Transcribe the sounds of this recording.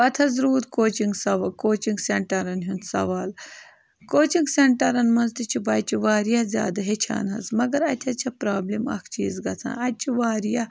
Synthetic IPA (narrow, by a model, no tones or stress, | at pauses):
ɐt̪ʰɐzɾuːɾkoːt͡ʃiŋɡsɐʋkoːt͡ʃiŋɡseɳʈɐɾɐnɦunt̪sɐ̰ʋaːl | koːt͡ʃiŋɡseɳʈɐɾɐnmɐnzt̪it͡ʃʰibɐːjt͡ʃʰiʋaːɾjazʲja̰ːd̪ɐɦet͡ʃʰa̰ːnɦɐ̰smɐɡɐɾɐt̪ʲʰɐt͡ʃʰɐpɾaːblimɐ̰kʰt͡ʃḭːzɡɐt͡sʰã̰ːnɐd̪̚t͡ʃʰiʋaːɾja